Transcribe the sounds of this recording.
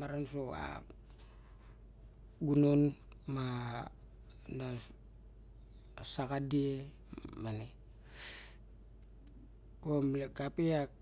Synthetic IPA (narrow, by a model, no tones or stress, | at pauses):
maɾansoa̰ | ɡunon | ma | na | sakadie | mane | komlekapiak̚